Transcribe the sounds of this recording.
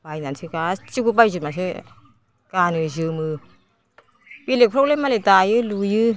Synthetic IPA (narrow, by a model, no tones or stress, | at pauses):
pajnansʰɯkat͡ɕikupajzumasʰɯ | kaːnɯzɯmɯː | pilekpʰɾolemalet̪aːjɯlujɯ